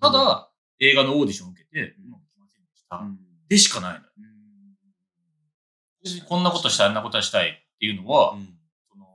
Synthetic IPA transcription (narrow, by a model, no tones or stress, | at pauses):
t̪ad̪a | e̞ːɡano̞oːd̪ʲiɕioõɯ̟ke̞t̪e̞makʲimasind̪eɕi̥t̪a | d̪̥e̞ɕi̥kanaino̰j̰ | esiɲkõ̞nːako̞t̪o̞ɕi̥t̪anːako̞t̪oaɕi̥t̪ait̪ːe̞jɯ̟no̞βa | so̞no̞